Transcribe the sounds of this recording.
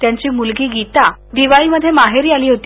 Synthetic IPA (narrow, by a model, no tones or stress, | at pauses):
t̪jaɲt͡ɕiːmulɡiːɡit̪ad̪iʋaɭiːməd̪ʱːjemaɦeɾiːaliːɦot̪i̥